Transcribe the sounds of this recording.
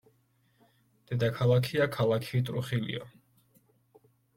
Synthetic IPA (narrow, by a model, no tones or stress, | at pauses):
d̪̥ɛd̪akʰalˠakʰiakʰalˠakʰit̪ʼɾuχilḭɔ̰